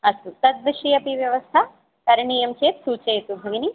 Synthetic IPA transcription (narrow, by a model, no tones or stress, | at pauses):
ɐst̪ut̪ɐd̪̚ʋɐʂijɐpiʋjɐʋɐst̪ʰa | k̪ɐɾɐɳiːjɐmt͡ʃeːt̪suːt͡ʃeːt̪ubʱɐɡini